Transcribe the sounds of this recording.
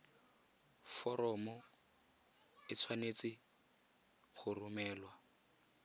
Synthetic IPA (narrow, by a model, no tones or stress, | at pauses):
fɔɾɔmɔ | ɪt͡sʰwanet͡sɪ | χʊrʊmɛːlwa